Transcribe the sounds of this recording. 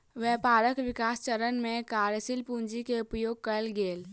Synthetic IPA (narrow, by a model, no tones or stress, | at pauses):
ʋɛpaɾəkʋikast͡ʃəɾənmekaɾjəsilpund͡ʒikeupjoɡ̚kəlɡel